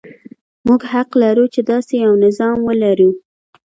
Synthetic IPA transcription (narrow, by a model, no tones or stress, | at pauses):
muɡhaqlaɾut͡ʃed̪ɑsejawnɪzɑmwəlaɾu